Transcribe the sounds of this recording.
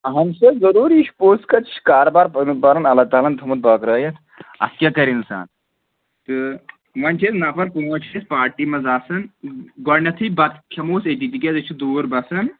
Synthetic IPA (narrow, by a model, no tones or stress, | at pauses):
ɦɐmsɐzɐɾuːɾiʃpoːskɐt͡ʃʰkaːɾobaːɾpɐnpaɾɐnɐlɐːt̪aːlɐnt̪ʰɐmɐt̪̚baːkɾɐːjɐt̪ʰ | ɐ̰skʲaːkɐɾinsa̰ːn | t̪ɨ | ʋɐnt͡ʃʰeːsnapɐɾpuɐt͡ʃʰespaːɾʈiːmɐzaːsɐnɡɔɾnɐt̪ʰɨbɐt̪kʰɐmoːset̪it̪ikʲɐzɐt͡ʃʰud̪uːɾbɐsɐn